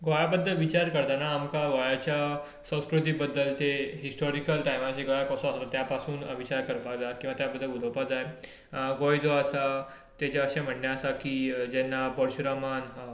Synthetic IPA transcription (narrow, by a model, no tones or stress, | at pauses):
ɡojabəd̪ʱːəʋit͡ɕaɾkəɾt̪anaːmkaɡɔjat͡ɕja | sə̃w̃skɾut̪ibəd̪ːəlt̪eɦisʈɔɾikəlʈajmat͡ɕeɡɔjakɔsɔ̃əst̪at̪japasuːnəʋit͡ɕaɾkəɾpad͡zakĩw̃ʋat̪jabəd̪ʱːəluləwpad͡zaj | ɡojd͡z̪oəsa | t̪et͡ɕaəɕam̤əɳjaəsakid͡ʑɛnːabɔɽɕuɾamanɦa